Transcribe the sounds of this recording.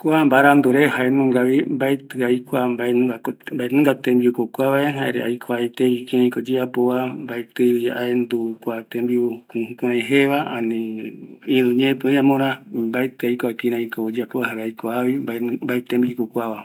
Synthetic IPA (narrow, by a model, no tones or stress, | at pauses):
kʷambaɾand̪uɾehaenũŋɡaβimbaet̪ɨajkʷambaambaenɨ̃ŋɡat̪ẽmbiukokʷaβaeɦaeɾḛʔa̰jkʰoajt̪eβikĩɾãĩkod͡ʒeapoambaet̪ɨβiaend̪ukʷat̪embiukuhũkuɾãjɦeβaanĩ | ĩɾũɲẽpɨõɲãmõɾãmbaet̪ɨajkʷakĩɾãĩkod͡ʒeapoahaɾeajkoaβimbaet̪embikokʷaβa